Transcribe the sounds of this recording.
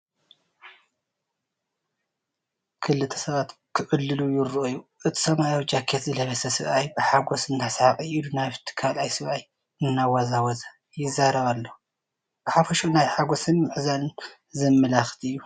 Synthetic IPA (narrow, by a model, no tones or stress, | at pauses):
kʰɨlːɨt̪ʰɐ̥sɐβat̪kʰɨʔʼɨlːɨlujɪɾʔojːuʔɨt̪ʰi̥sɐmajawd͡ʒakʰet̪zɨlɐβɐsɐsɨβʔajbɨħaɡo̞sɨnːasʕaqʼɨilunaβt̪ʰɨ̥kʰalʔajsɨβʔaj | ɨnːawɐzawɐza | jɪzːaɾɐβalːo | b̥ɨħafɐʃunajħaɡo̞sɨnmɨʕzalɨn | zɨmːɨlaxt̪ʰɨjːu